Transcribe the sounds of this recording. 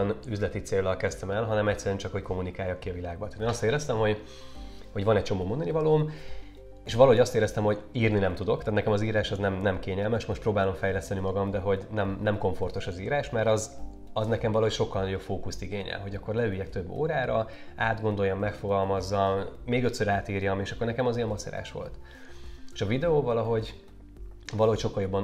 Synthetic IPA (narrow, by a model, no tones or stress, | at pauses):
nyzlɛt̪it̪seːlːɒlkɛst̪ɛmɛlɦɒnɛmɛct̪sɛɾyɛnt͡ʃɒkho̞cko̞munikaːjːɒkːiɒvilaːɡbɒt̪ːeːnɒst̪eːɾɛst̪ɛmho̞ɟ | ho̞ɟʋɒnɛct͡ʃo̞moːmo̞nd̪ɒnivɒloːm | eːʃʋɒlɒɦoɟɒst̪eːɾɛst̪ɛmho̞ɟiːrninɛmt̪ud̪o̞k̚t̪aːt̪nɛkɛmɒziːɾaːʃɒznɛmnɛmkeːɲɛlmɛʃmo̞ʃt̪proːbaːlo̞mfɛjlɛst̪ɛnimɒɡɒmd̪ɛɦo̞ɟnɛmnɛmko̞ɱfo̞rt̪o̞ʃɒziːɾaːʃmɛɾɒz | ɒznɛkɛmvɒlɒɦocʃo̞kːɒlnɒɟo̞pfoːkust̪iɡeːɲɛ̰lɦo̞ɟɒkːo̞rlɛyjːɛk̚t̪ø̞bːo̰ːɾaːɾɒ | aːd̪ɡo̞nd̪o̞jːɒmːɛkfo̞ɡɒlmɒzːɒmːeːɡøt̪søɾaːt̪iːrjɒmeːʃɒkːornɛkɛmɒzeːɒmɒsɛ̰ɾa̰ːʃʋo̞̰lt̪ | eʃɒvid̪ɛoːvɒlɒɦo̞ɟ | vɒlɒɦocʃo̞kːɒljo̞bːɒn